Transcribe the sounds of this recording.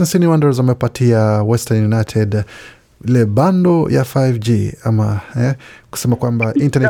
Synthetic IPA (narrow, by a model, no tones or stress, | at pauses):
ɛnsiniwandaɾzamɛpatʰiawɛstanjunajtʰɛd | ilɛbandɔja̰fajvd͡ʒiamaɛku̥sɛmakwambaʔintanɛ